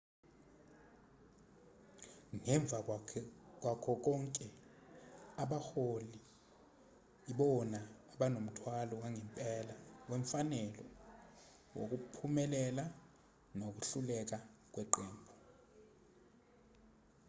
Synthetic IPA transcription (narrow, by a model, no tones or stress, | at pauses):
ŋɛɱb̪vʱa | k̬wakʰɔk̬ɔŋkʼɛ | aɓaxoli | iɓɔnaːɓanom̩tʰwalɔwaŋɛmpʼɛlawɛɱfanɛlɔ | wo̰k̬upʰumɛlɛla | nok̬uɬulɛk̬ak̬ʼwɛǃɛːmbʱɔ